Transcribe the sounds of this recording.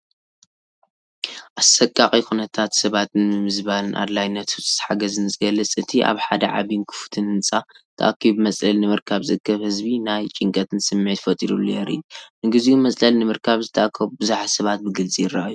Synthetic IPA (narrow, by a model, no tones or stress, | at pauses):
ʔasɐkʼːaχʼikʰunɐt̪ʰat̪sɐβat̪ɨnmɨmɨzbanɨnʔa̰d̪lajnɐt̪usʼɨ̥zħaɡɐzɨnzɨɡɐlːɨt͡sʼɨt̪ʰiʔa̰βħad̪ɐʕa̰βinkʰɨ̥fu̥t̪ʰɨnɨnt͡sʼat̪ʰɐʔa̰kʰːibɨmɐt͡sʼlɐlnɨmɨɾkʰaβzɨɨkʰːɐβhɨzbinajt͡ʃʼɪŋkʼɐt̪ʰɨnsɨmːʕet̪fɐt̪ʼid̪ulːojɛɾḭunɨɡɨziunmɐsʼlɐlnɨmɨɾkʰaβzɨt̪ʰɐʔakʰːɐβubɨzaħsɐβat̪̚bɨɡɨlt͡sʼijɪrːaʔju